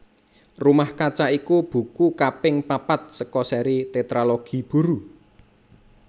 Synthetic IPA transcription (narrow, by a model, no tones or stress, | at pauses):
rumahkat͡ʃaikub̥ṳkukapɪŋpapat̪̚səkɔsɛɾit̪et̪ɾaloɡ̥i̤b̥ṳɾu